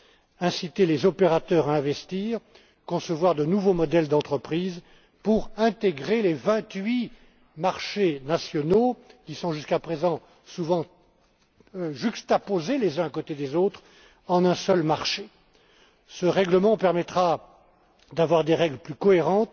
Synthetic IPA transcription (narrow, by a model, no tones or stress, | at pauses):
ɛ̃sit̪elezɔpeʁat̪œʁaɛ̃vɛst̪iːʁ | kɔ̃səvwaʁd̪ənuvomɔd̪ɛld̪ɑ̃t̪χəpχiːz | puʁɛ̃t̪eɡʁelevɛ̃t̪ɥi | maʁʃenasjɔnokʲisɔ̃ʒyskapχezɑ̃ | suvɑ̃ | ʒykst̪apozelezɛ̃akot̪ed̪ezot̪χ | ɑ̃nɛ̃sœlmaʁʃe | səʁɛɡləmɑ̃pɛʁmɛt̪χa | d̪avwaʁd̪eʁɛɡlplykɔeʁɑ̃t̪